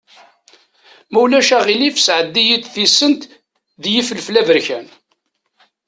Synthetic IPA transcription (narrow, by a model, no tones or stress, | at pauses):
mæwlæʃæʁilifsʕəd̪ːijit̪θisːənt̪ | ðjifəlflævəɾçæn